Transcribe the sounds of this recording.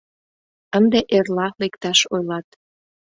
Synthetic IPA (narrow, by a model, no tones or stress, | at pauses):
ənd̪eʔerlɑlekt̪ɑʃojlɑt̪